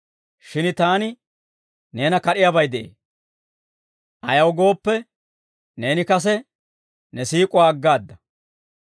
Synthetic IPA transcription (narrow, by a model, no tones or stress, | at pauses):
ʃɪnt̪aːnɪ | ne̞ːnɐkɐɗɪjaːbɐjd̪ɛʔḛː | ʔɐjɐwɡo̞ːpːɛ | ne̞ːnɪkɐs̬ɛ | nɛsiːkʼʊwaːɡːaːd̪ːɐ